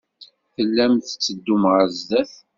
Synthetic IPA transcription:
θəlːæmθt͡sːəd̪ːumʁəzðæθ

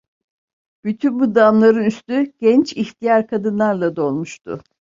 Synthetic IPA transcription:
b̥yt̪ʰynbud̪amlˠaɾɯnyst̪yɟ̥ɛnt͡ʃiçt̪ʰijaɾkʰad̪ɯnlˠaɾlˠad̪o̞lˠmuʃt̪ʰʊ̰

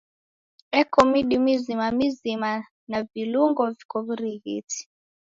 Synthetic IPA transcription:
ɛkɔmiɗimizimamizima | naviluŋɡɔvikɔvuɾiɣḭti̥

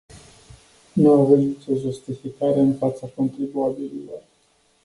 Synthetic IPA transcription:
nuavut̪nit͡ʃo̞ʒust̪ifikaɾeɨnfat̪sakont̪ɾibuabililo̞̰r

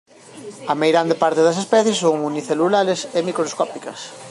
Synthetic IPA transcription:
ɐmejɣɾand̪epaɾt̪eðɐs̬espɛθjesːoŋuniθelulaɾesemikɾoskɔpikɐ̰s

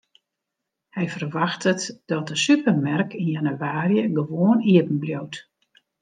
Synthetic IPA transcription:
hɛjfərʋaxtʰətdɔt̚dəsypərmɛrkinjanyʋaːrjəɡəʋoəniəpn̩bljowt

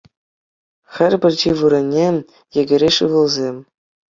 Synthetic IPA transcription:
xʲɘ̆rʲbʲɘ̆rʲd͡ʑiʋuɾʲɘ̆nʲːe | jɘ̆ɡʲɘ̆ɾʲeʂɯʋɯ̆lˠzʲemʲ

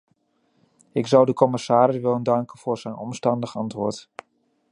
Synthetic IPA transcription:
ɪkzʌwdəkɔmɪsaːɾɪsʋɪləndɑŋkənv̥ʊːɹzɛjnɔ̰mstɑndəχɑntʋʊːɹt

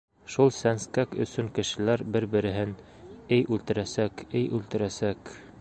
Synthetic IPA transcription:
ʃulˠsænskækɵ̰̆sɵŋkɘ̆ʃɘ̆læɾbɘɾbɘ̆ɾɘ̆ɦɘn | ɘjʔʉlt̪ɘ̆ɾæsækɘjʔʉlt̪ɘ̆ɾæsæk

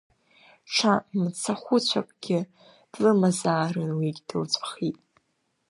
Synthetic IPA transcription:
ʈ͡ʂʰamt͡sʰaχʷʊt͡ɕʷʰa̰kʷʼɡʲɪ | d̥lɨmazaːrɨnwiɡʲd̥ɨwt͡sʷʰʼaχitʼ

